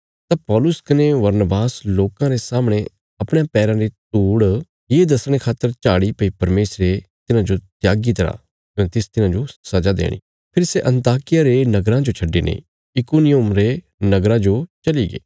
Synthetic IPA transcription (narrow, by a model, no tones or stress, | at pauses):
t̪ãpɔːlʊskɐneʋɐɾnəbaːsloːkãɾesaːmɽ̃e | ɐpɽ̃jãpɛːɾãɾet̪uːɽ | jeːd̪ɐsɽ̃ekʰaːt̪ːəɾt͡ʃaːɽipɐipɐɾmeːsɾet̪ɪnãd͡ʒot̪jaːɡit̪ɐɾa̰ː | jõːet̪ɪst̪ɪnãd͡ʒosɐd͡ʒad̪ḛːɽ̃ḭː | pʰɪɾseʔɐ̃nt̪aːkɪjaɾenɐɡɾãd͡ʒot͡ʃʰɐɖːenḛ̃ | ɪkuːnɪjʊmɾe | nɐɡɾãd͡ʒot͡ʃɐliɡḛː